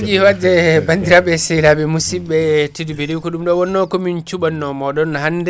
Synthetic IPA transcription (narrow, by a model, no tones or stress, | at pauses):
d͡ʒiwad͡ʒɛbandiɾabɛsɛlabɛmusibɛtidbeɾiwkɔɗumɗɔwɔnːɔkɔmint͡ʃuɓanːɔmɔɗɔnːhandɛ